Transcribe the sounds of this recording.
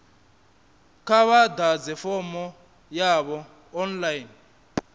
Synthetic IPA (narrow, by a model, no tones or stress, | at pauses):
kʰaβad̪ad͡zɛfɔmɔ | jaβɔ | ɔnlajin